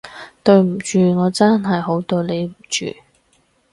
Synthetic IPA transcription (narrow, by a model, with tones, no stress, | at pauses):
t̪ɵ˧ɥm̩˨˩t͡ʃyː˨ŋɔː˨˧t͡sɐ˥nɦɐ˨jɦo˨˥wt̪ɵ˧le˨˧jm̩˨˩t͡ʃy̰ː˨